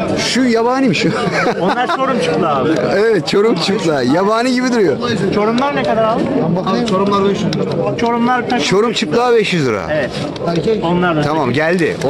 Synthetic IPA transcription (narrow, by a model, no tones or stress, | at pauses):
ʃujabaːnimiʃu | onaɾt͡ʃoɾumt͡ʃʰɯplˠaːbevɛt̪̚t͡ʃʰo̞ɾumt͡ʃʰɯplˠaːjabaːniɟibid̪uɾujot͡ʃʰo̞ɾumlˠaɾnekad̪aɾalˠbat͡ʃʰoɾumlˠaɾbɛʃjyzˠɾat͡ʃʰoɾumlˠaɾk̪ʰaʃt͡ʃʰo̞ɾumt͡ʃʰɯplˠaːbɛʃjyzɯɾa̰eɛt̪ | onlˠaɾd̪aamamɟælʲd̪ɪ̰o